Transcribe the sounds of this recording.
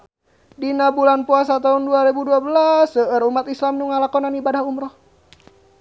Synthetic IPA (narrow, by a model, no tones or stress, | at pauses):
dinabulanpuasat̪aɦunduaɾebuduabəlasəəɾumat̪islamnuŋalakɔnanibadahumɾɔh